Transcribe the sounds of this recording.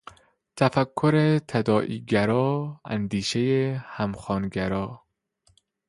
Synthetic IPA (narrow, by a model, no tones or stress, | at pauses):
t̪ʰæfækʰːoɾet̪ʰæd̪ɒːʔḭːɡæɾɒːæ̰nd̪iːʃejehæmxɒːnɡæɾɒː